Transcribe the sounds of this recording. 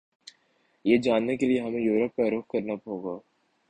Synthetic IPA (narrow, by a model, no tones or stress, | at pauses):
jeːd͡ʒaːnːekelieɦɐmẽjuːɾəp̚kaɾʊk̚kɐɾnapɦoːɡaː